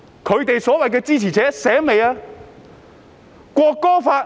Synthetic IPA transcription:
kʰɵ˨˧ɥt̪e˨jsɔː˨˥wɐ˨jk̬ɛː˧t͡siː˥t͡sʰiː˨˩t͡sʰɛː˨˥sɛː˨˥ŋme˨jaː˧ | kʷɔː˧kːɔː˥faː˧t̚

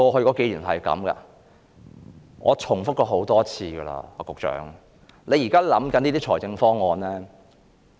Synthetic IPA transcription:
kɔː˧ɦɵ˧ɥkɔ˨˧˥ke˨˥jlyː˨˩nɦɐ̰˨jkɐ̰˨˥mɡɐ̰˧ | ŋɔː˨˧t͡sʰʊ˨˩ŋfʊ˥k̚kːɔː˧ɦo˨˥wt̪ɔː˥t͡sʰiː˧ɡɐ˧la̰ː˧ɔː˨˧kʊ˨k̚t͡ʃœ̰ː˨˥ŋ | le˨˧jiː˨˩kaː˥lɐ˨˥mkɐ˨˥niː˥t̪iː˥t͡ʃʰɔː˨˩jt͡sɪ˧ŋfɔː˥ŋːɔː˧nlɛː˥

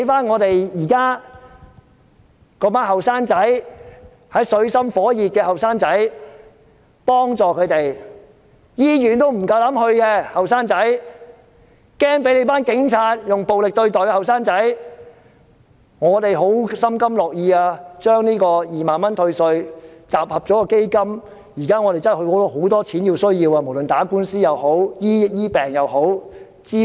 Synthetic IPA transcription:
jfaː˥nŋɔː˨˧t̪e˨jjiː˨˩kaː˥ | kɔː˨˧paː˥nɦɐ˨˩wsaː˥nt͡sɐ˨˥j | hɐ˨˥jsɵ˨˧ɥsɐ˥mfɔː˨˥jiː˨p̚kɛː˧hɐ˨wsaː˥ŋt͡sɐ˨˥j | pɔː˥ŋt͡sɔː˨kʰɵ˨˧ɥt̪e˨j | jiː˥jyː˨˩nt̪o˥wm̩˨˩kɐ˧wlɐ˨˥mhɵ˧ɥkɛː˧hɐ˨wsaː˥ŋt͡sɐ˨˥j | kɛː˥ŋpe˨˥jle˨˧˥paː˥nkɪ˨˥ŋt͡sʰaː˧t̚jʊ˨ŋpo˨wlɪ˨k̚t̪ɵ˧ɥt̪ɔː˨jkɛː˧hɐ˨wsaː˥ŋt͡sɐ˨˥j | ŋɔː˨˧t̪e˨jɦo˨˥wsɐ˥mkɐ˥mlɔː˨k̚jiː˧aː˧t͡ʃœː˥ŋniː˥kɔː˧jiː˨maː˨nmɐ˥nt̪ʰɵ˧ɥsɵ˧ɥt͡saː˨p̚hɐ˨p̚t͡sɔː˨˥kɔː˧ke˥jkɐ˥m | jiː˨˩kaː˥ŋɔː˨˧t̪e˨jt͡sɐ˥˨˩hɵ˧kɔ˨˥lho˨˥wt̪ɔː˥t͡sʰiː˨˥njiː˧wsɵ˥ɥjiː˧waː˧mo˨˩wlɵ˨nt̪aː˨˥kuː˥nsiː˥jɐ˨who˨˥wjiː˥jiː˥pɛː˨˩ŋjɐ˨who˨˥w | t͡siː˥

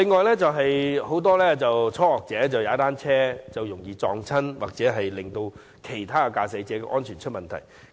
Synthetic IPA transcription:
lɪ˨˧ŋːɔː˨˧jlɛː˥t͡sɐ˨wɦɐ˨jho˨˥wt̪ɔː˥lɛː˥t͡sɐ˨wt͡sʰɔː˥hɔː˨k̚t͡sɛː˨˥t͡sɐ˨wjaː˨˦˥t̪aː˥nt͡sʰɛː˥t͡sɐ˨wjʊ˨˩ŋjiː˨˧t͡sɔ̰ː˨˧ŋt͡sʰɐ˥nwaː˨k̚t͡sɛː˨˥ɦɐ˨jlɪ˨ŋt̪o˧w | kʰe˨˩jt̪ʰaː˥kɐ˧kaː˧sɐ˨˥jt͡sɛː˨˥kɛ˧ʔɔː˥nt͡ʃʰyː˨˩nt͡ʃʰɵ˥t̚mɐ˨nt̪ʰɐ̰˨˩j

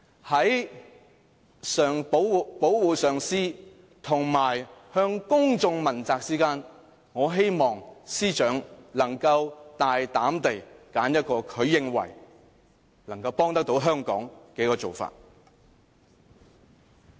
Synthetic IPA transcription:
hɐ˨˥j | sœː˨˩ŋpo˨˥wpo˨˥wwuː˨˩sœː˨ŋsiː˥ | t̪ʰʊ˨˩ŋmaː˨˩jhœː˧ŋkʊ˥ŋt͡sʊ˧ŋmɐ˨˩nt͡saː˧k̚t͡siː˥kaː˥n | ŋɔː˨˧ɦe˥jmɔː˨˩ŋsiː˥t͡ʃœː˨˥ŋlɐ˨˩ŋkɐ˧wt̪aː˨jt̪aː˨˥mt̪e˨jkaː˨˥njɐ˥t̚kɔː˧kʰɵ˨˧ɥjɪ˧ŋwɐ̰˨˩j | lɐ˨˩ŋkɐ˧wpɔː˥ŋt̪ɐ˥k̚t̪o˨˥wɦœː˥ŋkɔ̰ː˨˥ŋkɛː˨˥kɔː˧t͡so̰˨˩wfa̰ː˧t̚

